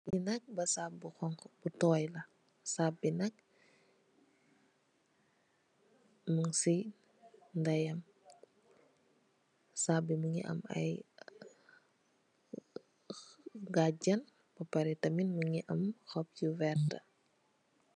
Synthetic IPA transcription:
inɐk̚bɐsap̚buxɔŋbutɔːjlɐ | saːbinɐk̚ | muŋsi | ndɐjɐm | saːbimuŋḭʔɐ̰mɐ̰j | ɡaɟɐn | bɐpɐɾitɐminmuŋiʔɐmxɔp̚juvɛrtɐ

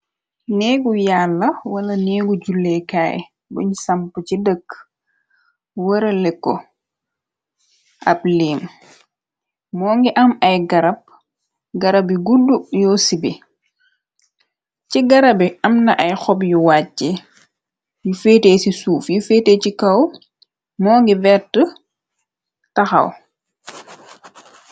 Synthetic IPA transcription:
nɛːɡujalːɐwɐlɐnɛːɡuɟulːɛkaːjɛ̰ | bṵɲsampucidək | wəɾɐlɛkːɔ̰ | ʔa̰bliːm | mɔːŋɡɛʔɐmɐjɡɐɾɐb̚ | ɡɐɾabiɡudːujɔsibi | ciɡɐɾɐbiɐmnɐʔɐjxɔbjuwaːɛ | jufeːteːsisuːfjufeːtecikɐw | mɔːŋɡivɛtə | tɐxɐ̰w

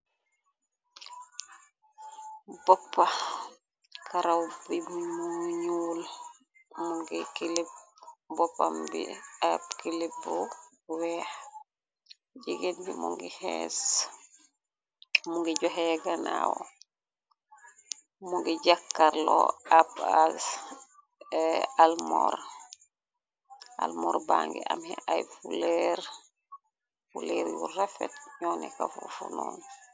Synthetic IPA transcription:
bɔpːa | kʰaɾawbibuuɲuːl | muŋɡikilip̚bɔpːambḭabkilibu | wɛh | d͡ʒiɡendḭmṵŋɡḭhḛs | muŋɡiɟɔɦɛɡanawɔ | muŋɡiɟakːaɾlɔabas | almɔr | almɔɾbaŋɡiʔamhɛʔajfulɛɾ | fulɛɾjurafɛ̰tɲɔnɛkafufunɔːn

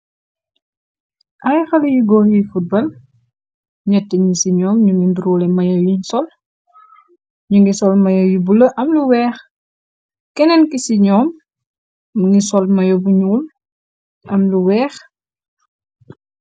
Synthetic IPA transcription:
ʔajxɐlɐjuɡɔjifut̚bɐl | ɲɛtːɛɲisiɲɔːmɲuŋɡimbiɾwɔlɛmɐjɔjiɲsɔl | ɲuŋɡisɔlmɐjɔjubulɐʔɐmluwɛːx | kɛnɛnkisiɲɔːmː | ŋɡisɔlmɐjɔbuɲuːl | ɐmluwɛːx

